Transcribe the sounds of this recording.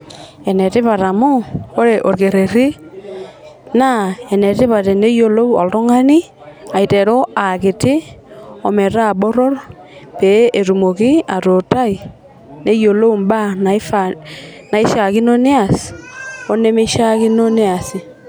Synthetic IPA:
ɛ˨nɛ˨tɪ˦pa˨ɾa˨mʊ˦o˦ɾe˨ʔo˨ɾke˨ɾe˨ɾi˦ | na˦ɛ˨nɛ˨tɪ˦pa˨te˨ne˦jo˨lo˦wɔ̰˨lto˦ŋa˦ni˦ | a˨i˨tɛ˨ɾo˦a˨kɪ˨tɪ˦ | ɔ˨mɛ˨ɾa˦˨ɓo˦ɾɔ˦r | pe˨˦e˨ɾu˨mo˨kɪ˦a˨to˨ta˦i˨ | ne˦jo˨lo˦˨mba˦na˨˦fana˨ɪ˦ʃa˨kɪ˦no˦ne˦a˨s | o˦ne˦me˦ʃa˦ki˦no˦ne˦a˨sɪ˨

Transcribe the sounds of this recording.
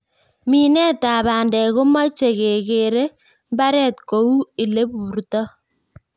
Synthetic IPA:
mi˨nɛ˦ta˨baː˨ndɛ˨ɣo˦ma˦t͡ʃe˨ke˨ke˨ɾe˦ | mba˦ɾɛː˦˨tko˨˦u˦i˨le˦buː˨ɾtɔ˦

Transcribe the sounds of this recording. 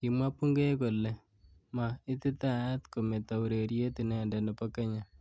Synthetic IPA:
ki˨mwa˦pu˦ŋɡe˦ko˨lɛ˨ | ma˨ɪ˦t̪ɪ˦ta˦˨ja˦t̪ko˨me˨ta˨u˨ɾe˨ɾje˦ti˨nɛ˨nda˨nɛ˨pɔ˦ke˦ɲa˨

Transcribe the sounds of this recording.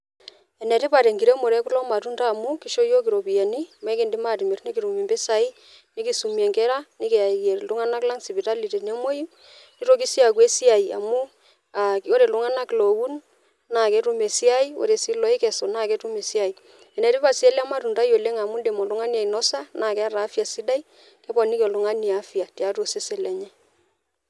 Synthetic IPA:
ɛ˨nɛ˨ɾi˦pa˨ɾɛ˨ŋɡi˨ɾɛ˦mo˨ɾɛ˦ku˦lɔ˦ma˨ɾu˦ndaː˦˨mu˦ki˦ʃo˦jo˦ki˨ɾo˨pi˨ɛ˨ni˦m˦ɛ˦kɛ˦ndi˦ma˦˨ɾi˨mɛ˨rni˦ki˨ɾu˨mi˨mbɛ˦sa˨i˦ | ne˦ki˦su˨mi˨ɛ˨ŋkɛ˦ɾa˦ni˦kɛ˨a˨ɛ˨ɾlu˦ŋa˦na˦kla˦ŋsi˨pi˨ta˦li˨te˨ne˦mo˦i˦ | ni˦ɾo˦ki˦si˦a˨kwe˦si˦a˨i˨a̰˨mu˦ | a˨ko˦ɾe˨lʊ˦ŋa˦na˦klo˨wu˦n | na˦˨kɛ˦ɾu˦me˨si˦a˦i˦o̰˦ɾe˨si˦lɔ˦i˦kɛ˨sɔ˨na˦˨kɛ˦tu˦me˨si˦a˨i˨ | ɛ˨nɛ˨ɾi˦pa˨si˦ɛ˦la˦ma˦ɾu˨nda˦jo˨le˦ŋa˨mu˦nde˨mɔ˨lʊ˦ŋa˦ni˦a˨i˨nɔ˦sa˦na˨kɛ˦a˦ɾaː˨˦fja˨si˦da˦i˦ | kɛ˦bɔ˨nɪ˦ke˨lʊ˨˦ŋa˦ni˨a˦fi˨a˨ti˨a˦to˨se˦se˨lɛ˨ɲɛ˦

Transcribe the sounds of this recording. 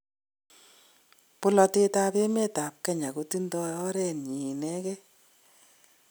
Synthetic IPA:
pʊ˦lɔ˧te˦ta˦pe˦me˦ta˨p̚kɛ˦ɲa˨ko˦ti˦ndɔ˧ɔ˦ɾɛ˨nɲi˨nɛ˦kɛ˦

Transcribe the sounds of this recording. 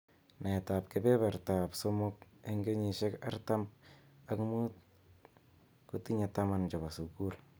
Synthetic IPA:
na˨ta˨p̚kɪ˨bɛ˦βɛ˨ɾta˨pso˦mʊ˦k̚e˦ŋɡe˦ɲi˨ʃɛ˦ka̰˦rta˦ma˦kmu˦t̚ | kuti˦ɲeta˦ma˨nd͡ʒɔ˨ba˨sukul

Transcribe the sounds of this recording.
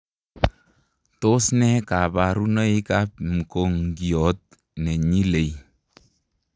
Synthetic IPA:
to˦snɛ˦ka˨ba˨ɾu˦nə˦i˦ka˦pm̩˨ko˨ŋɡi˨ɔ˨˦t̚ | nɛ˨ɲi˦le˨j

